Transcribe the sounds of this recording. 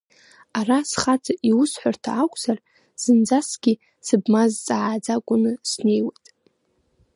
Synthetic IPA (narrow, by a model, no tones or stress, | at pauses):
arasχat͡sʼaʔiwʊsħʷartʰaːkʷʼz̥ar | z̥ɨnd͡zasɡ̥ʲi | sɨbmazt͡sʼaʕad͡zakʷʼʊnɨsne̞jwatʼ